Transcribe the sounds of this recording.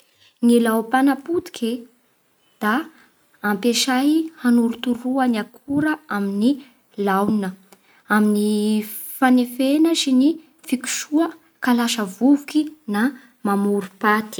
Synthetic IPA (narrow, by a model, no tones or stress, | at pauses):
ŋelawpanapud̪i̥kʲʰe | d̪̥aː | mpeʃajhanuɾut̪uɾuaniakʰuɾəamini | lawnə | amini | fanefenaʃini | fiku̥ʃuə | kalaʃəvuvukina | mamuɾupat̪i̥